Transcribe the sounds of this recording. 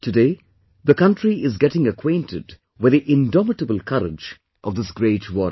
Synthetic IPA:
tʰɨdeː | ðəkʌ̃ntɾiɪzɡɛʈɪ̃ŋəkʰwẽɪ̃ntʰɪd | wɨd̪iʔɪ̃ndɔmɪʈəbəl̩ˠkʰʌɾɪ̰d͡ʒ | ʔɔvd̪ɪsɡɾeːtwɔɾ

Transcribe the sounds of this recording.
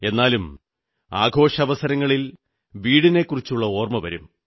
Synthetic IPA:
e̞nːaːlum | a̰ːɡʱo̞ːʂɐɐʋɐsɐɾɐŋːɐɭil | ʋiːɽine̞kːurit͡ɕːuɭːɐo̞ːrmɐʋɐ̰ɾum

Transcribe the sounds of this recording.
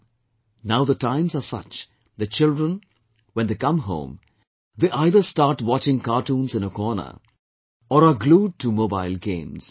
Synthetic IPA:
naʊd̪əʈãɪ̃mzasʌ̰t͡ʃ | d̪ət͡ʃɪlɖɾə̃n | ʋɛ̃nd̪ekʌ̃mɦõ̰ːm | d̪eːʔaɪd̪əsʈaːɾʈwɔt͡ʃɪ̃ŋkaːʈũːnzɪ̃nəkɔːnə̰ | ɔɾaɡluːɖ̚ʈʰumoːba̰ɪlɡḛ̃ːmz̥

